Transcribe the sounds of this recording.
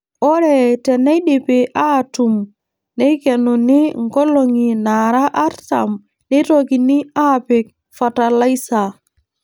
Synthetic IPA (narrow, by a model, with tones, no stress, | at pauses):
ɔ˦ɾɛ˨tɛ˨nɛ˦ɗe˨pe˨ʔa˦tu˨m | ne˦kɛ˨nu˨ni˦ŋ˨kɔ˦lo˨ŋi˨na˨ɾa˦ʔa˦ɾta̰˨m | ne˦toki˨ni˦a˦pe˨k̚ | fa˨ta˨la˦jsa˨